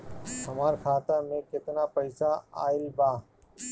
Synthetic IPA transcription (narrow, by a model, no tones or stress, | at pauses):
ɦəmaːɾkʰaːt̪aːmẽːkɪt̪naːpəɪsaːa̰ːɪlbaː